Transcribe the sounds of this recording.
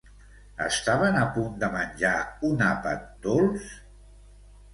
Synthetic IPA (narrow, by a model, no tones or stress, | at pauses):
ə̰st̪aβənəpund̪əmənʲʒaunapə̰t̪̚d̪olˠs